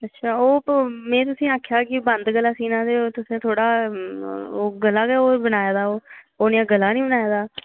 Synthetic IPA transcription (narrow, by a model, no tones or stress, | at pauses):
ətːʃʰaːoːmɛ̃ːt̪̬ʊsĩːaːkʰjaːkɪbənd̪ɡəlːaːsiːnãːd̪eːot̪ʊsẽːt̪ʰoːɽaː | oːɡəlːaːɡɛoːbənaːjaːd̪aːoː | oːnijãːɡəlːaːnĩːbənaːjaːd̪aː